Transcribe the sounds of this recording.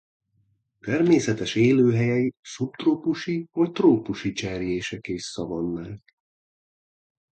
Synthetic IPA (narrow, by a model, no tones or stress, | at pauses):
t̪ɛrmeːsɛt̪ɛʃeːløːɦɛjɛisup̚t̪roːpuʃivɒct̪roːpuʃit͡ʃɛrjeːʃɛkeːʃsɒvɒnːaːk